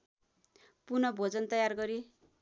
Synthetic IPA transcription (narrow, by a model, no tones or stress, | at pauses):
punʌbʱod͡zʌnt̪ʌjarɡʌɾi